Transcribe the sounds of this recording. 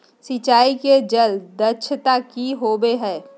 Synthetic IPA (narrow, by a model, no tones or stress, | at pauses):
sɪt͡ʃaːiked͡ʒəld̪ət͡ʃʰt̪akiɦobeɦɛ̃ː